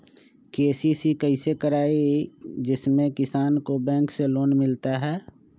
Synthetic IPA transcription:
keːsisikəɪsekəɾaːid͡ʒɪsmẽkɪsaːnkobɛ̃ːŋkseloːnmɪlt̪aɦɛː

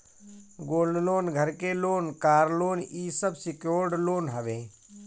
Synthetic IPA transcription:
ɡoːlnloːnɡʱəɾkeloːnkaːɾloːniːsəbsɪkjoːɾɖloːnɦəʋẽː

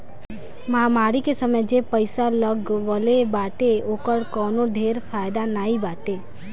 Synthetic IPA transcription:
məɦamaːɾikesəməd͡ʒepəɪsaləɡʋəlebaːʈeoːkəɽkɔːnoɖʱeːɾpʰaːjd̪anaːibaːʈe

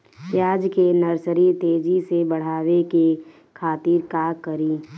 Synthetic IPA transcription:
jaːd͡ʒkenəɾsɾit̪eːd͡ʒisebəɽ̤aːweke | kʰaːt̪iːɾkakəɾiː

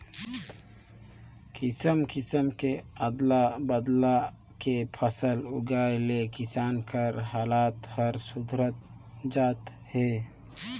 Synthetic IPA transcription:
kisəmkisəmkeəd̪labəd̪la | kepʰəsəluɡajlekisaːnkəɾɦaːlaːt̪həɾsud̪ʱɾət̪ | d͡ʒaːt̪ | he

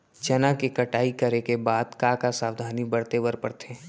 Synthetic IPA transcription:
t͡ʃɐnakikɐʈaːikɐɾekebaːd̪kãːkasaːwd̪ʱaːnibɐɽt̪eʋəɾpəɾt̪ʰẽː

